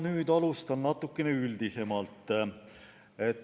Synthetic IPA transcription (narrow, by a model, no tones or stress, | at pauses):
nyːd̪ɑlust̪ɑnnɑt̪ːˑukːene̞yld̪̥ise̞mɑlt̪ːˑ | e̞t̪ː